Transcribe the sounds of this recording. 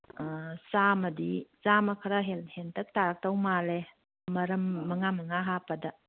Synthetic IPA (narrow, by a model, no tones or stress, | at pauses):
samɐdisamɐkʰɐɾɐɦelhentʰɐk̚taɾɐk̚tɐwmale | mɐɾɐmːɐŋamɐŋaɦapɐdɐ